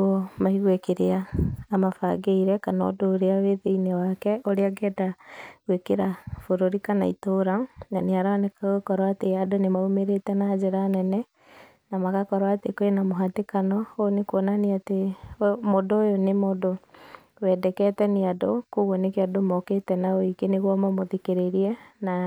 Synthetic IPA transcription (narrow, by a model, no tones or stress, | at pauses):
omaiɣwekeɾeaːmafa̰ɡeiɾɛkanɔ̰doːɾeaweðeinewakɛoɾeaɡɛdaɣwekeɾafoɾoɾikana̰ḭtoːɾananeaɾanekaɣokɔɾwateadonemaumeɾetɛnad͡ʒeɾaːnɛnɛ | namakakɔɾwaːtekoenamoɦatekanɔonekwɔnaniatemodoːjonemodo | wɛdɛkɛtɛneadokoɣwɔnekeadomɔketɛnaoikeneɣwɔmɔmoðekeɾeɾiɛna